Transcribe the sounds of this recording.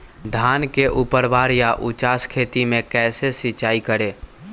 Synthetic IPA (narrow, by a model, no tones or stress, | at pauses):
d̪ʱaːnkeʔupəɾʋaːɾjaʔut͡ʃaːskʰeːt̪imẽkɛːsesɪt͡ʃaːikəɾe